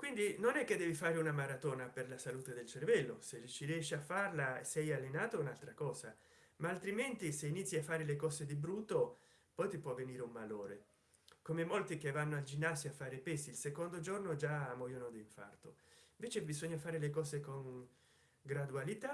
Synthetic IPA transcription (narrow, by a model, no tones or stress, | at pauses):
kwind̪inonɛkːed̪ːɛːvifaːɾeunamaɾat̪oːnaperlasaluːt̪ed̪elt͡ʃervɛlːosert͡ʃːiɾjɛʃːiafːarlaesɛjalːenaːt̪ounalt̪ɾakɔːza | maːlt̪ɾiment̪iseinit̪sːiafːaːɾelekɔːzed̪ibɾuːt̪ːo | pɔjt̪ipwɔvːeniːɾeumbaloːɾe | komemolt̪ikevːanːoald͡ʒinːasjoafːaːɾepɛsiːlsekond̪od͡ʒornod͡ʒaamːɔjonod̪iːɱfa̰rt̪oiɱvɛːt͡ʃebizoɲːafaːɾelekɔːzekoŋ | ɡɾad̪ualit̪a